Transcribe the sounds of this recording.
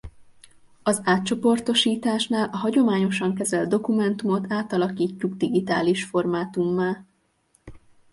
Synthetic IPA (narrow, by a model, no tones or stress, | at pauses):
ɒzaːt̪̚t͡ʃo̞po̞rt̪o̞ʃiːt̪aːʃnaːlʔɒɦɒɟo̞maːɲo̞ʃɒŋkɛzɛld̪o̞kumɛnt̪umo̞t̪aːt̪ɒlɒkiːcːuɡd̪iɡit̪a̰ːliʃfo̞rmaːt̪umːaːl